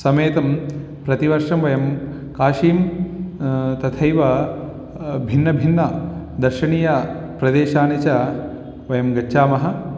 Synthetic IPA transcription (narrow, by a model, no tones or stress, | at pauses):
sɐmeːt̪ɐm | pɾɐt̪iʋɐɾʂɐmʋɐjɐm | kaːʃiːm | t̪ɐt̪ʰɐjʋɐ | bʱinːɐbʱinːɐd̪ɐɾʂɐɳiːjɐpɾɐd̪eːʃaːnit͡ʃɐ | ʋɐjɐmɡɐːʃaːmɐɦɐ̆